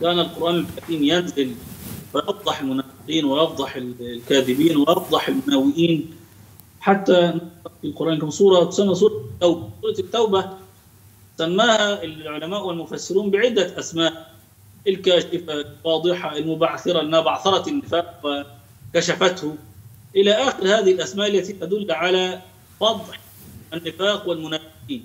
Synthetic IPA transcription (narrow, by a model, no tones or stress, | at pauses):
kaːnalqʊɾʔaːnɪlkat̪iːmjanzɪlfɪjɑfd̪ˤɑħɪlmʊnaːfɪqiːnwɪʔɑfd̪ˤɑħɪllkaːðɪbiːnwɪʔɑfd̪ˤɑħɪlmʊnawːɪʔiːn | ħat̪ːanɪɑfilqʊɾˤʔaːnkʊmsˤuːɾˤɑt̪ʊ̥samːas̬ˤuːɾˤɑt̪ːawbasˤuːɾˤɑɪt̪ːawba | samːaːhaɪlʕʊlamaːʔwɪlmʊfasːɪɾuːnbɪʕɪd̪ːaʔasmaːʔ | ɪlkaːʃɪfalwɑːd̪ˤɨħɑɪlmʊbaʕθɪɾaʔɪnabɑʕθɑɾˤɑt̪ɪnːɪfaːq̚wɪ | kaʃafat̪hʊ | ʔɪlaːʔaːxɪɾhaːðɪhɪlʔasmaːʔalːat̪it̪ad̪ʊlːʕala | fɑd̪ˤħ | ʔanːɪfaːqwɪlmʊnaːwɪqiːn